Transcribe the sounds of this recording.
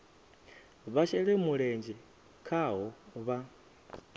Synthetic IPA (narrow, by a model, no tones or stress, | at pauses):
βaʃʰɛɺɛmuɺɛnd͡ʒɛ | kʰaɦɔβa